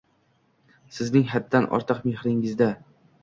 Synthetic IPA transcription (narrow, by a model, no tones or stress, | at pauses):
sɪznɪŋɦad̪ːanʔɒ̰ɾt̪ʰɨqmehɾɪŋɪzd̪a